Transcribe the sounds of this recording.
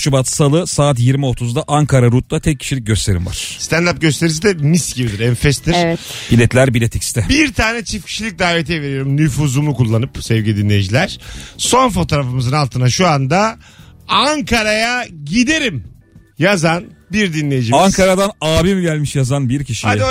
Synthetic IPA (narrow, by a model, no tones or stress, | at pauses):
t͡ʃubat̪salˠɯsaːt̪̬jiɾmio̞t̪ʰuzd̪aʔaŋkʰaɾaɾut̪̚lˠat̪ʰɛc̚ʰːi̥ʃilʲic̚ɟø̞st̪ʰe̞ɾḭmva̰ɾ̥st̪ʰænd̪ap̚ɟø̞st̪ʰe̞ɾis̬id̪ɛmisɟibid̪iɾɛnfɛst̪iɾɛb̥ilʲɛt̪lʲæɾbilʲɛt̪ʰɛcst̪ʰɛbiɾt̪ʰaːnɛt͡ʃʰifcʲʰi̥ʃilʲic̚d̪aːvet̪ʰijve̞ɾejoɾumnyfuzumukulˠːanɯpsɛvɟilʲid̪inʲːe̞jid͡ʒilʲæɾ̥so̞nfo̞t̪ʰo̞ɾafɯmɯzɯnalˠt̪ʰɯnaʃuand̪a | aŋkaɾajaɟid̪e̞ɾim | jazanbiɾd̪inlʲejid͡ʒiaŋkʰaɾad̪anaːbimiɟælʲmiʃjazanbiɾcʰiʃiad̪